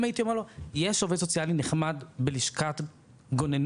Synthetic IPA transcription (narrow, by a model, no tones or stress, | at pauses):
majit̪iomeʁlojeʃovedsot͡sjalineχmadbeliʃkat̪ | ɡonen